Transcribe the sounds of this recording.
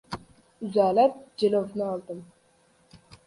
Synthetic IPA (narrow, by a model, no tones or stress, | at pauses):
zaːlat̪̚d͡ʒelovnɨɑlˠd̪ɨm